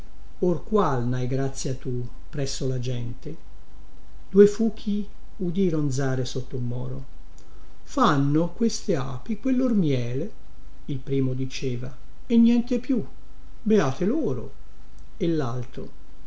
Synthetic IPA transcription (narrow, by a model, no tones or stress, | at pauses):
orkwalnajɡɾat̪sːjat̪ːu | pɾɛsːolad͡ʒɛnt̪e | d̪̥uefuːk̟ʰːi | ud̪iːɾond̪zaːɾesot̪ːoulmːɔ̰ːɾo̰ | fanːokwest̪eaːpikwelːormjɛːle | ilpɾiːmod̪it͡ʃeːva | enːjɛnt̪epju | beaːt̪eloːɾo̰ | elːalt̪ɾo̰